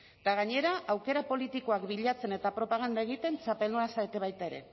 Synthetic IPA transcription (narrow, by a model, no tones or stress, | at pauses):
t̪aɣaɲe̞ɾaʔawke̞ɾapo̞lit̪iko̞akbiʎat͡se̞ne̞t̪apɾo̞paɣ̞and̪ae̞ɣ̞it̪e̞nt͡ʃape̞lnoasaet̪e̞β̞ajt̪ae̞ɾe̞̰